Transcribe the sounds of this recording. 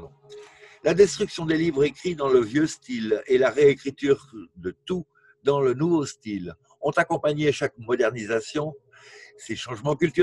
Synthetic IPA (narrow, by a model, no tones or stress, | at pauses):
lad̪ɛst̪χyksjɔ̃d̪elivʁekχid̪ɑ̃ləvjøst̪ilelaʁeekχit̪yːʁd̪ət̪u | d̪ɑ̃lənuvost̪il | ɔ̃t̪akɔ̃paɲeʃakmɔd̪ɛʁnizasjɔ̃ | seʃɑ̃ʒmɑ̃kʲylt̪y